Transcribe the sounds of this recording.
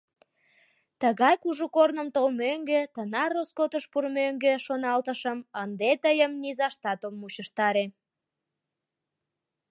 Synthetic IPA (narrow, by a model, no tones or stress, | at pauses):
t̪əɣɑjkuʒukornəmt̪olmøŋɡet̪ənɑroskot̪əʃpurmøŋɡeʃonɑlt̪əʃəmənd̪et̪əjəmnizɑʃt̪ɑt̪omːut͡ɕəʃt̪ɑɾe